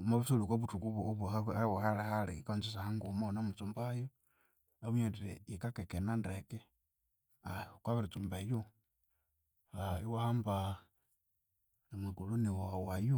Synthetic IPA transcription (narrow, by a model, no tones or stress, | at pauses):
maβusulikwaβutukuβuoβhawahalehalḭkant͡sis̬ahaŋɡumonamut͡sumbajo | aβuɲeɾiɾḛikakekenandeke | akwaβiɾit͡sumbaju | aiwahamba | emikuluniwawaju